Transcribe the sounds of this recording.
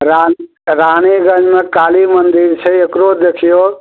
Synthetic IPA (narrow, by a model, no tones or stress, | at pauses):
ɾa | ɾañeɡə̃d͡ʒmekalimənd̪iɾt͡ʃʰəekɾod̪ekʰijo